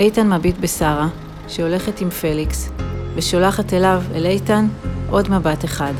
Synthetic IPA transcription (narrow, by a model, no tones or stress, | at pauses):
ejtanmabitbesaʁa | ʃeo̞le̞χetimfe̞liksveʃolaχate̞lavḛlejtanʔo̞dmabate̞χad